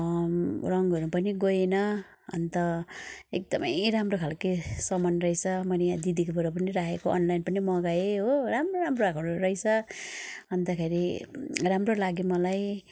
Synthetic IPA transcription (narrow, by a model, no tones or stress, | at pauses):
rʌŋɡʌɾupʌniɡoenʌ | ʌ̰nt̪ʌek̚d̪ʌmʌ̰jɾamrokʰalkesʌmʌnrʌjt͡sʰʌmʌnejad͡zid̪ikobuɾʌp̬ʌniɾakekoʔʌ̰nlajnpʌnimʌɡaeɦoɾamroɾamroakɾoɾʌjt͡sʰʌ | ʌnd̪akʰeɾiramrolaɡemʌlaj